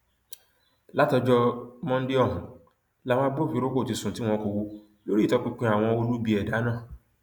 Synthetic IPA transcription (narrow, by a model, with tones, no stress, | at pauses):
la˦tɔ˧d͡ʒɔ˧mɔ̃˦n̩˦dɪ˦ɔ˦˨ɦũ˨ | la˨˦w̃ã˦a˦bo˦˨fi˨˦ɾo˦ko˦˨ti˨sũ˨ti˦w̃ɔ̃˦ko˨wo˦ | lo˦ɾi˦˨tɔ˧k͡pi˦k͡pĩ˦a˨w̃ɔ̃˧wo˦lu˦bi˨˦ɛ˨da˨˦nãː˦˨